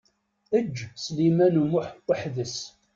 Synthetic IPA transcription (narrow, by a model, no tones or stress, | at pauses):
əd͡ʒːslimænumʊħəħðəs